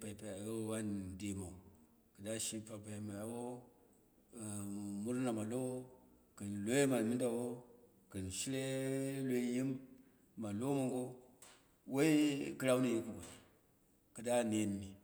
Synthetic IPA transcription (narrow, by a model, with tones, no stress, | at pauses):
pa˨i˨pa˨a˨jo˦wa˦nde˨ma˨u˨ | kə˨da˦ʃi˦pa˨pa˨i˨ma˨ja˨wo˦˨ | mu˦ɾna˨ma˨lo˦ | kə˨nlo˦je˦ma˨lmi˦nda˨wo˦ | kə˨nʃi˦le˦le˦ji˦mː | a˨lo˦mo˨ŋɡo˦ | wo˦i˦kɨ˦ɾa˦wni˨ji˦kɨ˨ɡʷo˨ni˨ | kɨ˨da˦ne˨˦n˨ni˨